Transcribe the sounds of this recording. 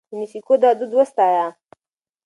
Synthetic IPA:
d̪ənisikod̪ɑd̪ud̪wəst̪ɑja

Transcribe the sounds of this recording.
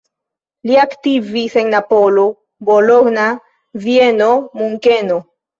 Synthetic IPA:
liaktiviseŋnapolo | boloɡna | vieno̞muŋkeno

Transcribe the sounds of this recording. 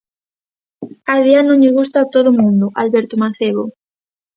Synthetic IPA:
aðjanõɲʎɪɣ̞ust̪at̪oðomũnd̪ʊʔalβɛɾt̪omaθeβo

